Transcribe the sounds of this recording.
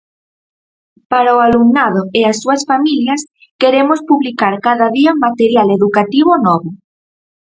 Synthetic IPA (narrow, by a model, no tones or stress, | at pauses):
paɾaoaluŋnaðoeasːuasfamiljas | keɾemospuβlikaɾkaðaðiamat̪eɾjaleðukat̪iβ̞onɔβo